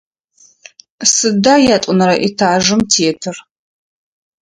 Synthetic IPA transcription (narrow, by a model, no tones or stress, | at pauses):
sɨdaːjatʷʼʊnɐɾɐʔitʰaːʒɨmtʰeːtʰɨr